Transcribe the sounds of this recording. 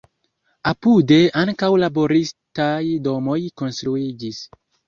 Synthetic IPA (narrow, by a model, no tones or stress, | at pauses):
apude̞ʔaŋkawlabo̞ɾistajdo̞mo̞jko̞nstɾuid͡ʒis